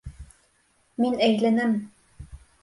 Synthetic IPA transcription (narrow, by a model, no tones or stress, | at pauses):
minæjlænɘm